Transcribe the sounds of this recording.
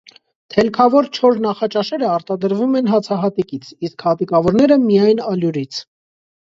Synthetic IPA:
t̪ʰɛlkʰɑvɔɾt͡ʃʰɔɾnɑχɑt͡ʃɑʃɛɾəɑɾt̪ɑd̪əɾvumɛnɦɑt͡sʰɑɦɑt̪ikit͡sʰiskhɑt̪ikɑvɔɾnɛɾəmijɑjnɑljuɾit͡sʰ

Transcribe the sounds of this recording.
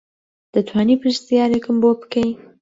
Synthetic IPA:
d̪̥ət̪ʰwɑːnipɨʃt̪ijɑːɾekɨmbopkej

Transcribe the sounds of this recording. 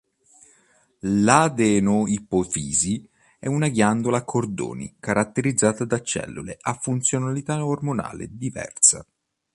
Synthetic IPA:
lad̪ɛnoipofiːzi | ɛunaɡjand̪olakʰord̪o̰ːnḭkaɾʔat̪ːeɾid̪zːaːt̪ad̪at͡ʃːɛ̰lːuleʔafːunt̪sjonalit̪aormona̰ːlḛd̪ivɛ̰rsa̰

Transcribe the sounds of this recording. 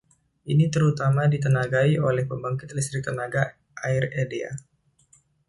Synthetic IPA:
ʔinit̪əɾut̪amadit̪ənaɡaiʔolɛhpəmbaŋkɪt̪list̪ɾik̚t̪ənaɡa | ʔaɪredea̰

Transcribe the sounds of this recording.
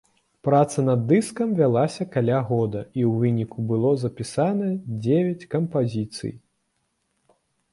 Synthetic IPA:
pɾat̪sɐnɐd̪ːɨskɐmvʲalˠasʲɐkalʲaɣɔd̪ɐiwvɨnʲikubɨlˠɔzɐpʲisanɐd͡zʲevʲɐt͡sʲkɐmpazʲit̪sɨ̰j

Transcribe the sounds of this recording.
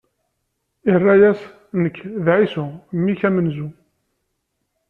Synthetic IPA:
irˤːæjæs | nəkːðʕisumːiçæmənzu

